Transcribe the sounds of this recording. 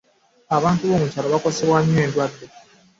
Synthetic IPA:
aβaːntuβo̞ːmucaloβako̞seβwaɲːe̞ːndwadːe

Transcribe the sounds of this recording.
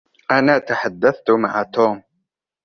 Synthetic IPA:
ʔanaːt̪aħad̪ːaθt̪ʊma̰ʕat̪uːm

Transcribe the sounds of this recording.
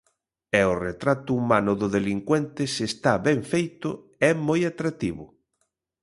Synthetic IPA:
ɛʊret̪ɾat̪ʊumanʊðʊðeliŋkwɛnt̪ɪsest̪aβɛɱfejt̪ʊ | ɛmojat̪ɾat̪iβʊ

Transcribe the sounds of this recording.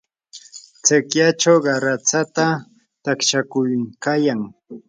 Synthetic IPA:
t͡sɪkjat͡ʃawɢɑɾat͡sat̪a | t̪akʃakʊjkajaŋ

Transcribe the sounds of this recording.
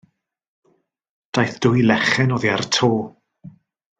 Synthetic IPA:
d̥ajθd̥ʊjlɛχɛnɔːðiartʰoː

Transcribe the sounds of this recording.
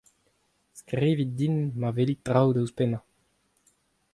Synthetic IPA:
skʁiːvit̪̚d̪inmavelit̪ʁawd̪əwspɛna

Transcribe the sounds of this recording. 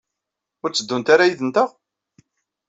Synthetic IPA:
ʊɾt͡sːəd̪ːunt̪aɾajiðənt̪əʁ

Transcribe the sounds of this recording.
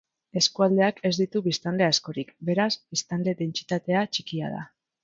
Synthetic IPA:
e̞skuald̪e̞akʰe̞zd̪it̪uβist̪and̪e̞asko̞ɾikbe̞ɾazbist̪anle̞de̞nt͡si̥t̪at̪e̞at͡ʃikia̰ð̞a̰

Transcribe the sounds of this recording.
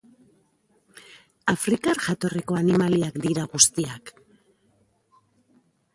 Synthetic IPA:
afɾikaɾʝat̪o̞riko̞animaliakd̪iɾaɣust̪iak

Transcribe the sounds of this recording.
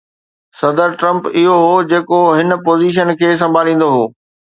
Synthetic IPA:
sɐd̪əɾʈɾɐ̃mpɪɦoɦod͡ʑeːkoɦɪn̆poːziːʃ̬ənkʰeːs̬ɐ̃mbʱaːlĩːn̆d̪oɦoː

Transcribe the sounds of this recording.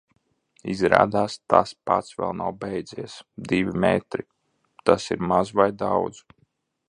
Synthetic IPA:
izɾa̰ːd̪aːst̪a̰spat̪svɛ̰lˠnawbɛjd̪ziɛsd̪ivʲimɛt̪ɾi | t̪asiɾmazvajd̪awd̪z̥

